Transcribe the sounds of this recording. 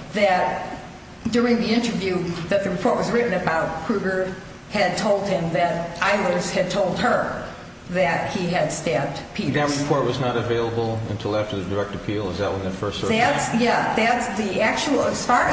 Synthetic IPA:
ðɨt̚ | d̥ʊɹɪ̃ŋðiɪ̃ntə˞vjʉðɨt̪̚ðɨɹɨpʰɔɹʔ̚wʌzɹɪʔn̩ɨbaʊt̚kʰɹ̥ʉɡə˞ | ɨd̚tʰoʊlˠd̚ɪ̃mðɨɾʔaɪlˠə˞z̥ɨd̚tʰoʊlˠd̚ə˞ | ðɨt̚hiɨd̥stæb̚d̥pʰiðɨt̚ɹɨpʰɔɹʔ̚wʌznəɾɨveɪlˠəbl̩ˠɨ̰̃ntʰɪlˠæftə˞ðɨdə˞ɛk̚tɨpʰilˠəzðɨʔ̚wə̃nðɨfɜ˞sðætsjæðɨtsðiʔæk̚t͡ʃul̩ˠʌsfɑ

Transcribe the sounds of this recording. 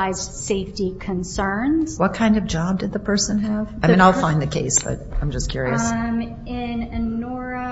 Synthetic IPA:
ɪzdseɪftikʰɨ̃nsɜ̃˞nz̥wʌt̚kʰãɪ̃ndʌvd͡ʒɑb̚dɨd̪̚ðɨpʰɜ˞sɨ̃nɨv̥aɪmĩnaɪlˠfãɪ̃nðɨkʰeɪsb̥ʌ̰t̚ãɪ̃md͡ʒʌskʰj̥ʊɹiɨsm | ɪ̃nɨnɔɹɨ

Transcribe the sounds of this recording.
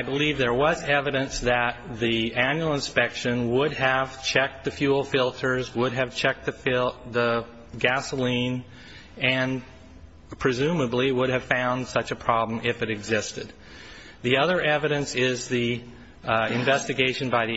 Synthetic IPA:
aɪbəlivðə˞wʌzɛvɨɾɨ̃nsðɨt̪̚ðiæ̃njʉl̩ˠə̃nspɛkʃɨ̃nwʊdɨv̥t͡ʃʰɛk̚t̪̚ðɨfjul̩ˠfɪlˠtʰə˞zwʊɾɨv̥t͡ʃʰɛk̚t̪̚ðɨfɪlˠðə | ɡæsəlĩn | ɨ̃n | pʰɹ̥ɨzʉ̃məbliwʊɾɨv̥fãʊ̃nd̥sʌt͡ʃɨpʰɹ̥ɑblə̃mɪfɨɾɨɡzɪstɨd̪̚ | ðiʌðə˞ʔɛvɨɾɨ̃nsɪzði | ɨ̃ɱvɛstɨɡeɪʃɨ̃n̩baɪði

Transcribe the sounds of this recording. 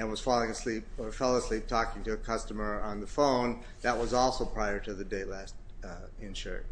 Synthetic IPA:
ɨ̃nwʌz̥fɔlˠɪ̃ŋɨslip̚ə˞fɛlˠəslip̚tʰɔkɪ̃ŋtɨːkʰʌstɨmə˞ə̃nðəfõʊ̃n | ðɨt̚wʌzɔlˠsoʊpʰɹ̥aɪə˞ɾɨðɨdeɪtˡlæst̚ | ɪ̃nʃə̰˞

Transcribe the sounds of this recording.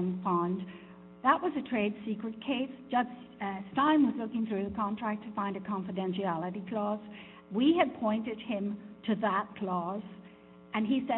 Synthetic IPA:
nfãn | ðəʔ̚wʌzɨtʰɹ̥eɪd̥sikɹɨt̚kʰeɪsd̥ʒ̥ʌd͡ʒ̥ | stãɪ̃mwʌzlʊkɪ̃ŋθɹʉðɨkʰɑ̃ntʰɹ̥æk̚tʰɨfãɪ̃ndɨkʰɑ̃ɱfɨdɛ̃nʃiælˠəɾikʰl̥ɔz | wiɨd̚pʰɔ̃ɪ̃ntɨd̚ɪ̃mtʰɨðət̚kʰl̥ɔz | ɨ̃nisɛ

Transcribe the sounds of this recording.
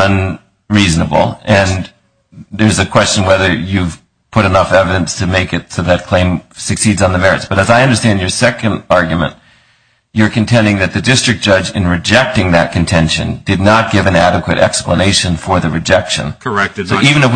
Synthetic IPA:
ʌ̃n | ɹiznəbl̩ˠɨ̃n | ðə˞zɨkʰw̥ɛst͡ʃɨ̃nwɛðə˞jʉv̥ | pʰʊɾɨnʌfɛvɨɾɨ̃nstʰɨmeɪkɨtsoʊðɨt̚kʰl̥ẽɪ̃msɨksidzn̩ðɨmɛɹɨ̰tsb̥ʌɾɨzaɪʌ̃ndə˞stæ̃nd͡ʒə˞sɛkɨ̃ndɑɹɡjmɨ̰̃nʔ | ə˞kɨ̃ntʰɛ̃ndɪ̃ŋðɨt̪̚ðɨdɪstɹ̥ɨk̚d̥ʒ̥ʌd͡ʒɨ̰̃nɹɨd͡ʒɛk̚tɪ̃ŋðɨ̰t̚kʰɨ̃ntʰɛ̃nʃɨ̰̃ndɨdⁿnət̚ɡ̥ɪvɨ̃næɾɨkwɨɾʔɛ̰kspləneɪʃɨ̃nfə˞ðɨɹɨd͡ʒɛkʃɨ̰̃nkəɛsʊivɨ̃nɨf

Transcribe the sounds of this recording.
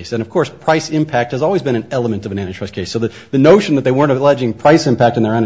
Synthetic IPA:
ɪsɨ̃ñʌv̥kʰɔɹspʰɹ̥aɪsɪ̃mpʰæk̚t̚hɨzɔlˠwizbɨ̃ɾ̃ɨ̃nɛlˠəmɨ̃ntʌvɨñæ̃ɾ̃titʰɹ̥ɛskʰeɪsːoʊðɨ | ðɨnoʊʃn̩ðɨt̪̚ðeɪwɜ̃˞ñtɨlɛd͡ʒɪ̃ŋpʰɹ̥aɪsɨ̃mpæk̚tn̩ðə˞æ̃ɾ̃

